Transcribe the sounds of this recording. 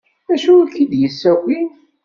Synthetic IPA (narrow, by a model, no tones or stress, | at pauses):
æʃukid̪jəsːæwi